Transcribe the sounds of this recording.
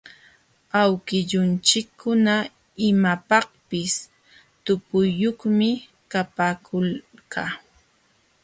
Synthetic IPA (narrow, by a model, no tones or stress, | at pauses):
awkɪʎʊnt͡ʃɪkʰːʊna | ɪmapɑhpɪs | t̪ʊpʊjːoχmɪ | kapaːkʰʊlkaː